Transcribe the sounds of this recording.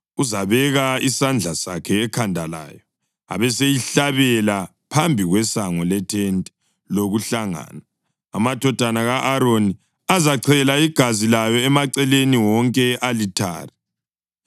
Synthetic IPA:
uzaβɛɣaisand͡ɮʱasa̰kʰɛːkʰandʱala̰ːjɔ | a̰βɛsejiɬaβɛla | pʰambʱiɣwɛsaŋɔlɛtʰɛntʼɛ̥ | loɣuɬaŋa̰ːna | a̰matɔd̥ʱanaɣaʔaɾoni | azaǀʰɛlaiɡ̥ʱazilajɔɛmaǀɛleniwɔŋkʼɛʔalitʰa̰ːri

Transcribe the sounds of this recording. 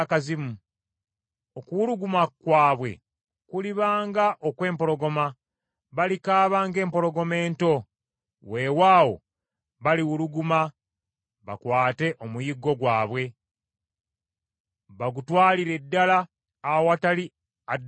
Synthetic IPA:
kazimu | okuwuɾuɡumakwaːβwe̞̰ | kuliβaːŋɡaʔokwe̞ːmpo̞ɾo̞ɡo̞ma | βalikaːβaːŋɡe̞ːmpo̞ɾo̞ɡo̞me̞ːnto̞ | we̞waːwo̞̰ | βaliwuɾuɡuma | βa̰kwaːte̞ʔomujiɡo̞ɡwaːβwe̞ | βaɡutwaːliɾe̞dːalaː | woatali | a

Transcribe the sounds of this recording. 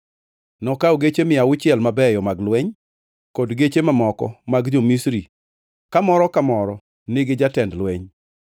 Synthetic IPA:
nɔkawoɡet͡ʃemɪawʊt͡ʃɪɛlmabɛjɔmaɡlwɛɲ | kodɡet͡ʃemamɔkɔ̰maɡd͡ʒomisɾi | kamɔɾɔkamɔɾɔ | nɪɡɪd͡ʒatɛndlwɛɲ

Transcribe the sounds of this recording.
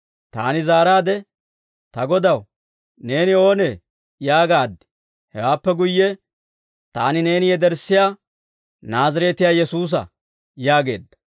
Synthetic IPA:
t̪a̰ːnɪzaːɾaːd̪ɛ | t̪ɐɡɔd̪ɐw | ne̞ːnɪo̞ːne | jaːɡaːd̪ːɪ̥ | hɛwaːpːɛɡʊjːɛ | t̪aːnɪne̞ːnɪjɛd̪ɛɾsːɪjaː | naːzɐɾɛt̪ɪjaːjɛsuːs̬ɐ̰ | jaːɡe̞̰ːd̪ːɐ̥

